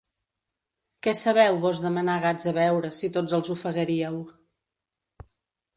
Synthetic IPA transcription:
kɛsəβɛwβɔzðəmənaɣazəβɛwɾəsit̪od͡zzəlˠzufəɣəɾiəw

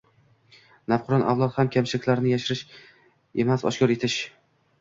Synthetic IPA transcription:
nafqʰʊɾɒnʔa̰vlˠɒt̪hamkʲʰamʃɪɪkʲlaɾnɪjaʃɪɾɪʃ | ḛmasɒ̰ʃkʰʲɒɾe̞t̪ʰɪʃ

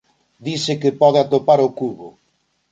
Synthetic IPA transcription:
d̪isɪkɪpɔðeat̪opaɾokuβʊ

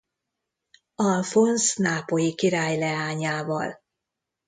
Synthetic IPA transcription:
ɒlfonsnaːpojikiɾaːjlɛaːɲaːvɒl

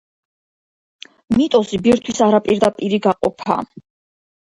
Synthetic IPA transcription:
mit̪ʼɔsibiɾt̪ʰwisaɾapʼiɾd̪apʼiɾiɡaqʼɔpʰa̰

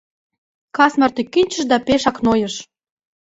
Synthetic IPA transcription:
kɑsmɑrt̪ykːynʲt͡ɕə̆ʃd̪ɑpeʃɑknojəʃ

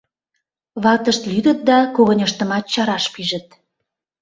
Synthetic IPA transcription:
βɑlt̪əʃt̪lyd̪ət̪̚d̪ɑkoɣənʲəʃt̪ə̆mɑt̪̚t͡ɕɑɾɑʃpiʒə̆t̪̚

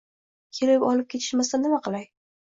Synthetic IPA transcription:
kʲʰe̞lɪpɒlɪp̚kʲʰe̞t̪ʰɪ̥ʃmasanɪmaqɨlˠaj

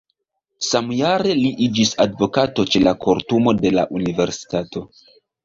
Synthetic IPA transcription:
samjaɾe̞liʔid͡ʒisadvo̞kato̞t͡ʃe̞lakʰoɾtumo̞de̞la̰ʔunive̞ɾsi̥tato̞

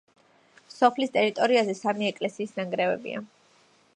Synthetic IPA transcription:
sɔpʰlist̪ʼɛɾit̪ʼɔɾiazɛsamiɛkʼlɛsiːsnaŋɡɾɛvɛ̰bḭa̰

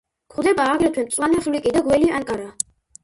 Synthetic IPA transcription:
kʰχd̪ɛbaːɡlɛt̪ʰwɛmt̪sʼwanɛχlikʼid̪aɡwɛliaŋkʼaɾa

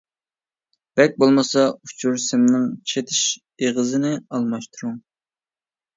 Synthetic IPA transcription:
b̥ɛk̚ʲbolˠmɑsɑut͡ʃʰuɾsɪmnɪŋt͡ʃʰet̪ʰɪʃ | eʁəzɪnɪɑlˠmɑʃt̪ʰuɾuŋ

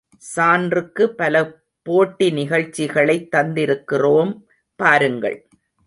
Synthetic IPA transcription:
saːndrɯkːɯpːɐlɐ | poːʈːinɪɣɐɻt͡ʃːɪɣɐɭɐɪt̪ːɐnd̪ɪɾɯkːɪroːm | paːɾɯŋɡɐ̰ɭ

